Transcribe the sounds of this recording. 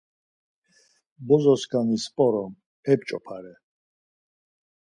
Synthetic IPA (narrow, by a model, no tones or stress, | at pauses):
bɔzɔskʰanispʼɔɾɔm | ɛpt͡ʃʼɔpʰaɾɛ